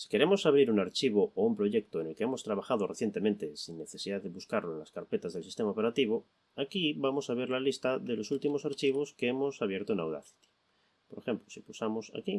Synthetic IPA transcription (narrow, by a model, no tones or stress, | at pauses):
si̥ke̞ɾe̞mosaβ̞ɾiɾunaɾt͡ʃiβ̞ooumpɾo̞ʝek̚t̪oene̞lkeemo̞st̪ɾaβ̞axaðoreθje̞nt̪e̞mẽnt̪esinːe̞θe̞siðaðe̞βuskaɾloe̞nlaskaɾpe̞t̪azðelsist̪e̞maope̞ɾat̪iβ̞o | akiβamo̞saβeɾlalist̪aðelo̞sult̪imo̞saɾt͡ʃiβ̞o̞skeemosaβje̞ɾt̪oenawða̰θi̥t̪i̥ | poɾexe̞mplosipusamo̞sa̰ki